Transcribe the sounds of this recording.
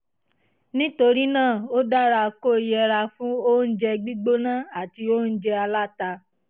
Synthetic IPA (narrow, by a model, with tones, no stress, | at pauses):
nĩ˦to˧ɾi˦nãː˦˨o˦da˦ɾa˧ko˦˨i˧˦ɛ˧ɾa˧fũ˦o˦n̩˦d͡ʒɛ˧ɡ͡bi˦ɡ͡bo˦nã˦˨a˨ti˧o˦n̩˦d͡ʒɛ˧a˧la˦ta˧